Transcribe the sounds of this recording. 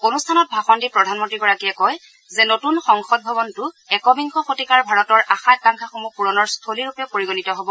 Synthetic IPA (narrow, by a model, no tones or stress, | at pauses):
onustʰanɔt̚bʱaxɔndipɹɔdʱanmɔntɹiɡɔɹakijɛkɔj | zɛnotunxɔŋxɔd̚bʱɔbɔntʊ | ɛkɔbiŋkɔxotikaɹbʱaɹɔtɔɹʔaxat̚aŋkʰaxomupuɹɔnɔɹstʰoliɹupjɔpoɹiɡonitɔɦobɔ